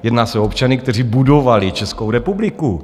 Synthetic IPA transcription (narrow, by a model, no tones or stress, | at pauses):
jɛdnaːsɛoopt͡ʃanɪkt̪ɛr̝ibudo̞valɪt͡ʃɛskowɾɛpublɪku